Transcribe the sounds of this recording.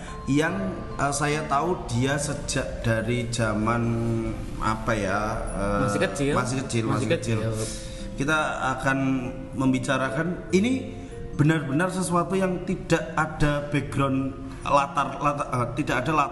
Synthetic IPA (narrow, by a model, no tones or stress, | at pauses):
jaŋ | ʔəsajat̪aud̥iasəd͡ʒaʔd̥aɾid͡ʒaman | a̰pajaəkəmasɪkət͡ʃɪlmaskət͡ʃɪl | kit̪aa̰kan | məmbit͡ʃaɾakanini | b̥ənarbənarsəsuat̪ujaŋt̪id̥aʔad̥ab̥eɡɾɔn | lat̪arlaət̪idakadalat̪